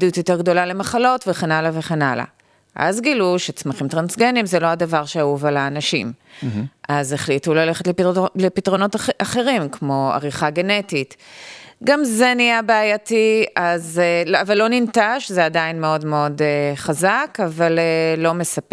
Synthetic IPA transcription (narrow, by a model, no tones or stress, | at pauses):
dijutjo̞te̞ʁɡdo̞lale̞maχalo̞tveχe̞nalave̞χenala̰ | ʔa̰zɡiluʃet͡smaχimt̪ʁansɡenimzelo̞adavaʁʃeauvalaːnaʃḭm | ʔazeχlitulale̞χetlelepitʁo̞no̞taχe̞ʁimkmo̞a̰ʁiχaɡe̞netit | ɡamze̞nijabeajatiazeavalːo̞nintaʃzeadainmeodmeo̞deχazakavalelo̞me̞sap